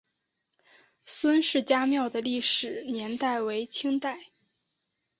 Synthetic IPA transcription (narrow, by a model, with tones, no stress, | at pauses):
swə˥nʂɻ̩˥˩t͡ɕja˥mjɑ˥˩ʊd̪ə˩li˥˩ʂɻ̩˨˩˦njɛ˧˥nt̪a˥˩ɪwe˧˥ɪt͡ɕʰi˥ŋt̪a˥˩ɪ